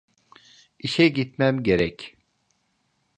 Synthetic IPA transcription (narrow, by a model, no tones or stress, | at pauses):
iʃɛɟit̪mæmɟeɾɛc